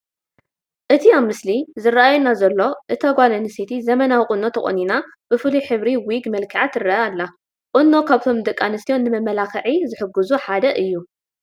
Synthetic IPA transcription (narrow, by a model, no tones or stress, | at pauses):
ʔɨt̪ʰiaβmɨslizɨrɐʔajunːazɐlːo̞ʔɨt̪ʰaɡʷalɐnɨsit̪ʰizɐmɐnawikʼɨno̞t̪ʰɐkʼo̰nina | b̥ɨfɨliħɨβɾiwiɡmɐlkʰɐʕat̪ɨrɐalːa | qʼɨnːo̞kʰaβt̪ʰo̞md̪ɐkʼːanɨst̪ijo̞nːɨmɐmːɐlakɐʕizɨħɨɡːuzuħad̪ɐʔɨjːu